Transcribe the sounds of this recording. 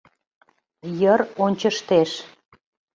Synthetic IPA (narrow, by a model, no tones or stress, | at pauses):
jəɾonʲt͡ɕəʃt̪eʃ